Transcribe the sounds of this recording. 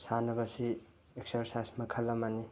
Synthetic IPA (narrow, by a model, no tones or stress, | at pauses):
sanɐbɐsi | ek̚sɐɾsajsmɐkʰɐlːɐmani